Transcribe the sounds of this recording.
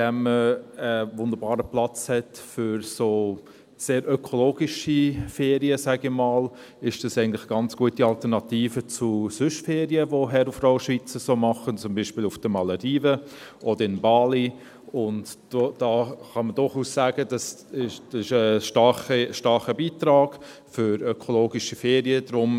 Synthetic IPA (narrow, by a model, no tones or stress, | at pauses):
dɛməəvʊnd̪əɾbɑːɾəplɑt͡shɛtfʏɾsoː | seːɾøkʰoloːɡiʃifeːɾiəsæɡɪmɑːl | ɪʃd̥ɑsɛɪɡəntlɪ̥χəɡ̥ɑnt͡sɡ̥uətiɑltəɾnɑtiːfət͡sʊsʏʃfeːɾiəʋoɦɛɾufrɔʊʃʋit͡səsoːmɑχənt͡sʊmbiːʃpiːlufd̥əmɑlədiːvə | ʔɔd̥əɾɪnbɑːli | ʊndd̥od̥ɑːχɑmədʊɾχuːssæːɡəd̥ɑs | ɪʃsɪʃəʃtɑχiʃtɑɾχəbiːtɾɑːɡ̥ | fʏɾœkʰoloːɡiʃifeːɾiəd̥ɾʊm